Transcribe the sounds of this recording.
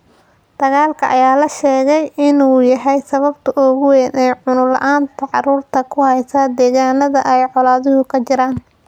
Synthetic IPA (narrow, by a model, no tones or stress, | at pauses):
d̪̥ɐɣaːlkʰɐʔɐ̰jaːlɐʃɛːɣɛjɪnuːjɐɦɛjsɐβɐbt̪ʰɐʔɔːɣʊwɛːnɛjʕʊnʊlɐ̰ʔaːnt̪ʰɐʕɑruːrt̪ʰɐkʰʊhɛjsad̪ɛːɣaːnɐðɐ̰ʔɛjʕɔlaːðʊɦʊkʰɐt͡ʃɪɾaːn